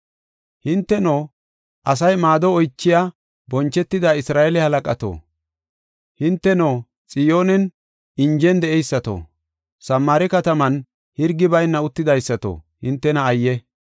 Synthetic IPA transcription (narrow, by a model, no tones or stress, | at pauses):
hɪnt̪ːɛnoː | ʔɐs̬ɐjmaːd̪ɔɔjt͡ʃːɪja | bɔnt͡ʃːɛt̪ːɪd̪aːɪsɾaːɛlɛhɐlɐkʼɐt̪o̰ː | hɪnt̪ːɛnoː | t͡sʼɪjo̞ːnɛn | ɪnd͡ʒɛnd̪ɛʔɛjsːɐt̪o̰ː | sɐmːaːɾɪkɐt̪ɐmɐn | hɪɾɡɪbɐjnːɐʊt̪ːɪd̪ɐjsːɐt̪o̰ːhɪnt̪ːɛnɐːjːɛ